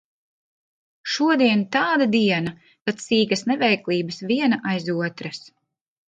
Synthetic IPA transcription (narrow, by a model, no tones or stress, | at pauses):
ʃuɔd̪iɛnt̪aːd̪ad̪iɛna | k̪at̪siːɡɐsnɛvɛjklˠiːbɨsviɛnaʔajzuɔt̪ɾas